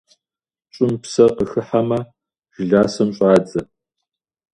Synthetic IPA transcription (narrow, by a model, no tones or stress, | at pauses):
ɕʼɪmpsɐqəxɨħamɐ | ʒ̥ɨɮaːsɐmɕʼaːd͡zɐ